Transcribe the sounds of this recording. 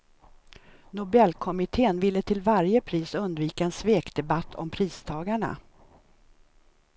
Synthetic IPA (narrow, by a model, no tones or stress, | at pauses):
nʊbɛlːkʰɔmɪt̪ʰeːənvɪlːət̪ʰɪlvaɾjəpʰɾiːsɵnd̪viːkaɛnsveːkd̪ɛbat̪ʰːɔ̰mpʰɾiːst̪ʰɑːɡaɳa̰